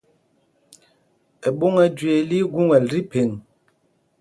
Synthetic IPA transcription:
e˨ɓo˦ŋɛ˨d͡ʒɥe˨li˦ɡu˦ŋɛ˨lɾi˦pe˨ŋ

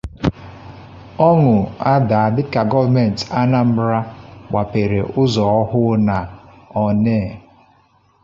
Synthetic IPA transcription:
ɔ˦ŋʊ˨a˦da˨a˨dɪ˦ka˨ɡɔ˦vme˨n̩˨ta˦na˦m̩˦ɾa˦ɡ͡ba˨pe˨ɾe˨ʔʊ˦zɔ˨ɔ˦ɦʊ˦na˨ | ɔ˨neː˦˨

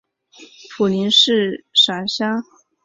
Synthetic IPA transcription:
pʰu˨˩li˧˥nʂɻ̩˥˩ʂa˨˩nɕjɑ˥ŋ

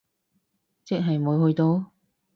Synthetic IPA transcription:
t͡sɪ˥k̚ɦɐ˨jmuː˨˧jhɵ˧ɥt̪o˧w

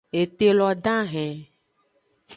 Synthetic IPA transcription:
e˨t̪e˦lɔ˨ɖã˦ɦɛ̃˨

